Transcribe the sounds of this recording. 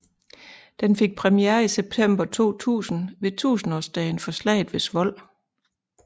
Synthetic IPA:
d̥enfe̝ɡ̥̚pʰʁɛmieːɐiseb̥̚t͡sʰem̰b̥ɐt͡sʰo̝̰ːt͡sʰṵːsn̩ʋe̝t͡sʰṵːsn̩ɒːsd̥ɛːn̩fɒ̽slɛ̰ːɪð̩ˠʋe̝sʋɒ̽l̰

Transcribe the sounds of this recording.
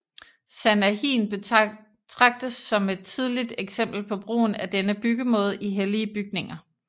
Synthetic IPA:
sænæhḭːnb̥e | t͡sʰʁɑ̈ɡ̥̚d̥əsːɒ̽me̝d̥̚t͡sʰið̞ˠlid̥eɡ̥sem̰b̥l̩pʰɒ̽b̥ʁo̝̰ːn̩æd̥enəb̥yɡ̥əmɔ̽ːð̞̩ˠʔiɦeliəb̥yɡ̥ne̝ŋɐ

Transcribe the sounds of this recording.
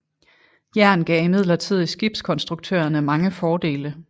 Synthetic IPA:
jæɐ̰nɡ̥ɛ̰ːimið̰ˠlɐt͡sʰið̞̰ˠisɡ̥ib̥skʰɒ̽nsd̥ʁuɡ̥̚t͡sʰø̰ːɐnəmɑ̈ŋəfɒːd̥e̝̰ːlə

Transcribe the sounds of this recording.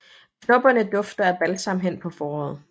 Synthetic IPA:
kʰnɔ̽b̥ɐnəd̥ɔ̽fd̥ɐæb̥ælsɑ̈m̰̩ɦen̰pʰɒ̽fɒːɒ̰ːð̩ˠ

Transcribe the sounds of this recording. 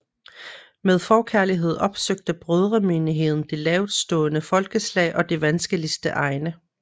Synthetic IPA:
með̞ˠfɒːkʰæɐliɦe̝ð̞̰ˠɒ̽b̥søɡ̥̚d̥əb̥ʁøð̞ˠʁɐmeːniɦe̝ðˠn̩d̥e̝lɛːʊdˠsd̥ɔ̰̽ːnəfɒ̽lɡ̥əslɛ̰ɪʔɒ̽d̥e̝ʋænsɡ̥əlisd̥əʔɑ̈ɪnə

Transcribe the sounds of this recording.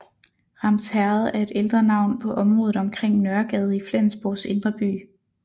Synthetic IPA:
ʁɑ̈mshæɐð̩ˠæɐe̝d̥eld̥ʁɐnɑ̈ʊ̰npʰɒ̽ʔɒ̽mʁɔːð̞̩ˠɒ̽mkʰʁeŋ̰nɶɐɡ̥ɛð̞ˠəiflen̰sb̥ose̝nd̥ʁɐb̥y̰ː

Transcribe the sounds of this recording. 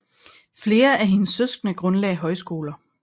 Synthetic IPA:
fle̝ːɐʔæɦe̝nəsːøsɡ̥nəɡ̥ʁɔ̽nlɛ̰ɪɦɒ̽ɪsɡ̥o̝̰ːlɐ

